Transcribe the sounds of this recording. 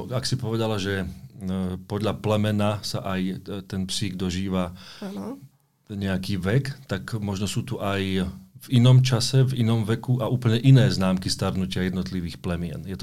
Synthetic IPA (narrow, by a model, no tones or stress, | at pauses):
aksipɔʋɛd̪alaʒɛ | pɔd̪ʎaplɛmɛnasaʔajt̪ɛnpsiːɡd̪ɔʒiːʋa | ɲɛakiːʋɛkt̪akmɔʒnɔsuːt̪uʔajvinɔmt͡ʃasɛvinɔmʋɛkuʔaʔuːpl̩ɲɛʔinɛːznaːmkist̪aɾnucɪajɛd̪nɔt̪liʋiːxplɛmɪɛ̰njɛt̪ɔ